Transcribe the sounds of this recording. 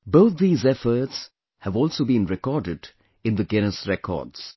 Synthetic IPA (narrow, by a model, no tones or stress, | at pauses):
boʊt̪̚d̪iːzɛfəɾts | hævɔːlˠsoːbĩnɹɛkɔɖɪd | ɪ̃nd̪əɡɛnəsɹɛkʰɔ̰ːɖz̥